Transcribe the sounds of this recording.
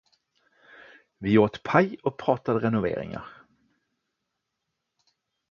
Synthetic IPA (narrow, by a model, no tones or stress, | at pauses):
vɪoːt̪pʰajɔk̚pʰɾɑːt̪ad̪əɾɛnʊvḛːɾɪ̰ŋa̰ɾ